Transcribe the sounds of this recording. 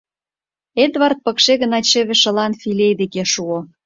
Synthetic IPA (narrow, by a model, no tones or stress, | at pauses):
ed̪βɑrt̪̚pɤ̆kʃeɣə̆nɑt͡ɕĕβĕʃə̆lɑnfilʲejd̪ekeʃuo